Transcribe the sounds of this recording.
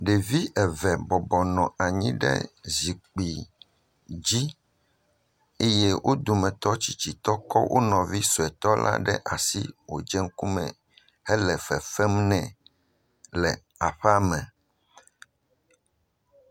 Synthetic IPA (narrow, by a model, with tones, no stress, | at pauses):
ɖe˨vi˦ʔɛ˨vɛ˨bɔ˨bɔ˨nɔ̃˨a˨ɲĩ˦ɖɛ̰˦zi˨k͡pi˨ | d͡ʑi˦ | e˦je˦wʔo˦d̪u˨mɛ̃˨t̪ɔ˦t͡ɕi˨t͡ɕi˨t̪ɔ˦kɔ˦wʔo̰˦nɔ̃˨vi˦so˨ɛ˨t̪ɔ˦lʔa̰˦ɖɛ˦ʔa˨sḭ˦wo̰˨d͡ʒɛ˦ŋ̩˦ku˦mɛ̰̃˨ | hɛ˦lɛ˨fɛ˨fɛ˦mnɛ̃˨ | lɛ̰˨ | a˨ɸɛ˦a˦mɛ̃˨